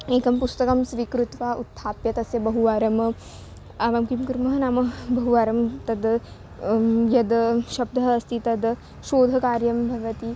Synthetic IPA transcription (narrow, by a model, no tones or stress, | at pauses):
eːkɐmpust̪ɐkɐmsʋikɾut̪ʋaʔut̪ʰːaːpjɐt̪ɐsjɐbɐɦuʋaːɾɐm | aːʋamkimkuɾmɐɦɐnaːmɐbɐɦuʋaːɾɐmt̪ɐd̪ | jɐd̪ʃɐb̚d̪ʱɐːst̪ʰit̪ɐd̪ | ʃoːd̪ʱɐkaːɾjɐmbʱɐʋɐt̪iː